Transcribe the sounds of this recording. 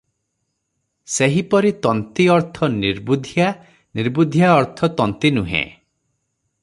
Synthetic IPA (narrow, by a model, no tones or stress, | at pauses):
seɦipɔɾit̪ɔnt̪iɔɾt̪ʰɔniɾbud̪ʱja | niɾbud̪ʱjaɔɾt̪ʰɔt̪ɔnt̪inuɦḛ̃